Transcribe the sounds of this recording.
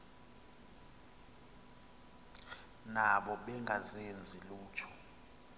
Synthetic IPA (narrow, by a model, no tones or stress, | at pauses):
naɓɔɓɛŋɡʱazend͡zʱiluːt͡ʃʰɔ̥